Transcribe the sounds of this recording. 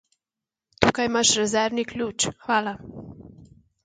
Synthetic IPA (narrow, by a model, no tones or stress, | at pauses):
t̪uːkajmaʃɾɛzɛɾniklʲuːt͡ʃxʋaːla